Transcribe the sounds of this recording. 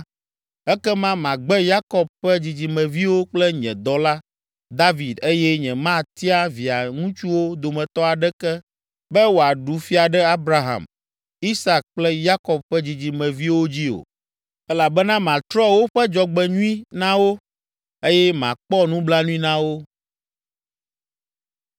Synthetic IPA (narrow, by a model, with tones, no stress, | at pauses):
ɛ˦kɛ˦mã˦mã˨ɡ͡bɛ˦ja˦kɔ˨b̚ɸɛ˦d͡ʑi˨d͡ʑi˨mɛ̃˨vi˦wo˦k͡plɛ˦ɲɛ̰̃˨d̪ɔ˦la˦ | d̪a˦vi˨d̪e˦jɛ˦ɲɛ̃˨mã˦t̪i˦a˦vi˨a˨ŋũ˦t͡ʃu˦wo˦d̪o˨mɛ̃˨t̪ɔ˦a˨ɖɛ˦kɛ˦ | bɛ˦wo˨a˨ɖu˨fi˦a˨ɖɛ˦a˦bɾa˦ɦã̰˨m | i˦sa˨k̚k͡plɛ˦ja˦kɔ˨b̚ɸɛ˦d͡ʑi˨d͡ʑi˨mɛ̃˨vi˦wo˦d͡ʑi˦o̰˨ | ɛ˦la˨bɛ˦nã˦mã˨t̪ɾɔ˦wo˦ɸɛ˦d͡ʒɔ˨ɡ͡bɛ˨ɲũ˦ĩ˦nã˦wo˦ | e˦jɛ˦mã̰˨k͡pɔ˦nũ˦bla˦nũ˦ĩ˦nã˦wo˦